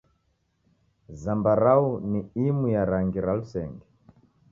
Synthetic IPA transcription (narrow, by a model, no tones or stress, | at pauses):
zambaɾauniimujaɾaŋɡiɾalusɛŋɡɛ